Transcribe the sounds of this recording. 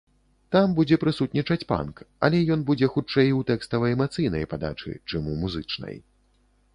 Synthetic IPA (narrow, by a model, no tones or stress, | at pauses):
t̪ambud͡zʲɛpɾɨsut̪nʲit͡ʂɐt͡sʲpa̰nkɐ̰lʲɛjɔnbud͡zʲɛxut͡ʂɛjut̪ɛkst̪ɐvɐjɛmat̪sɨjnɐ̰jpad̪a̰t͡ʂɨ̰t͡ʂɨmumuzɨt͡ʂnɐ̰j